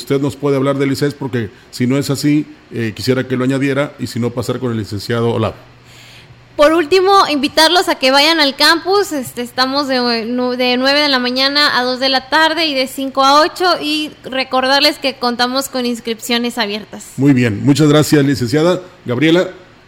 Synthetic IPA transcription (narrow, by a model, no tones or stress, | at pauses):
ust̪e̞ðno̞spwe̞ðeaβlaɾðelisenspo̞ɾke̞ | sino̞e̞sasiekisjeɾake̞loaɲaðje̞ɾaisino̞pasaɾko̞nelːise̞nsjaðo̞o̰la̰β | po̞ɾult̪imo̞imbit̪aɾlo̞sake̞βaʝanalkampusest̪est̪amo̞zðenðe̞nwe̞β̞e̞ð̞e̞lamãɲanaʔaðo̞zðe̞lat̪aɾðe̞iðe̞siŋko̞ao̞t͡ʃo̞ʔire̞ko̞ɾð̞aɾle̞ske̞ko̞nt̪amo̞sko̞ninskɾipsjo̞ne̞saβje̞ɾt̪asmujβje̞nmut͡ʃazɣɾasjaslise̞nsjaðaɡaβɾje̞la